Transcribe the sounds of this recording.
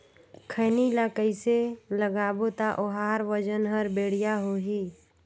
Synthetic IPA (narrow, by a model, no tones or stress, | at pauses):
kʰəːnilaːkəiseləɡaːbot̪aʔoɦaːɾʋəd͡ʒənɦəɾbeːɽ̤ijaɦoɦiː